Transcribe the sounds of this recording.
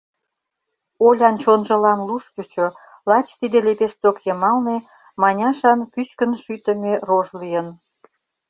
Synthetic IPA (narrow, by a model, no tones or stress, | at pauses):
olʲɑnt͡ɕonʒə̆lɑnluʃt͡ɕut͡ɕo | lɑt͡ɕt̪id̪elepest̪okjəmɑlne | mɑnʲɑʃɑnkyt͡ɕkənʃyt̪ə̆meroʒlijən